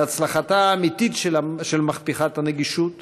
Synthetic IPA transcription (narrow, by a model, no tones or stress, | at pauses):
at͡slaχataːmititʃelaʃelmaχpiχathaneɡiʃut